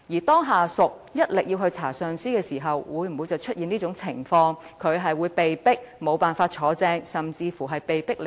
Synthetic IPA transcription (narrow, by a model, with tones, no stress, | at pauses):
jiː˨˩t̪ɔː˥ŋɦaː˨˩sʊ˨k̚ | jɐ˥t̚lɪ˨k̚ji˧wɦɵ˧ɥt͡sʰaː˨˩sœː˨ŋsiː˥kɛː˧siː˨˩ɦɐ˨wwuː˨˧jm̩˨˩wuː˨˧jt͡sɐ˨wt͡ʃʰɵ˥t̚jiː˨niː˥t͡sʊ˨˧˥ŋt͡sʰɪ˨˩ŋfɔː˧ŋkʰɵ˨˧ɥɦɐ˨jwuː˨˧jpe˨jpɪ˥k̚mo˨˧wpaː˨nfaː˧t̚t͡ʃʰɔː˨˥t͡sɛː˧ŋsɐ˨mt͡siː˧fuː˨˩ɦɐ˨jpe˨jpɪ˥k̚l